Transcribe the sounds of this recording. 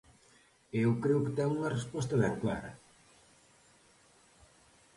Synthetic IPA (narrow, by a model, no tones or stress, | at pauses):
eewkɾeʊkɪt̪ɛŋuŋɐrespɔst̪ɐβɛŋkla̰ɾɐ̰